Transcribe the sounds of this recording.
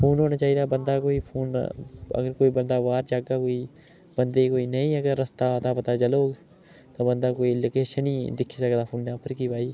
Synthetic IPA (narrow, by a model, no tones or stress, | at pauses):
pʰoːnɦoːnaːt͡ʃaːɦiːd̪aːbənd̪aːkoːiːpʰoːnə̰ɡəɾkoːiːbənd̪aːʋaːɾd͡ʒaːɡaːkoːiː | bənd̪eːkoːiːnəĩːəɡəɾːəst̪aːt̪aːpət̪aːt͡ʃəloːɡ | t̪ãːbənd̪aːkoːiːləkeːʃəniːd̪ɪkʰiːsəkd̪aːpʰoːnnãːpəɾkiːʋaːiː